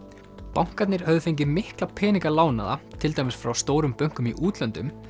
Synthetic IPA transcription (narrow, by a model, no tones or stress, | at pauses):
pawŋ̥kat̪nɪɾ̥hœðʏfejɲc̬ɪmɪhklapʰɛːniŋkalaːwna̰ða̰t̪ʰɪlt̪aːjmɪsfɾawst̪oːwɾʏmpœŋ̥kʏmiʔuːt̪lɛnt̪ʏm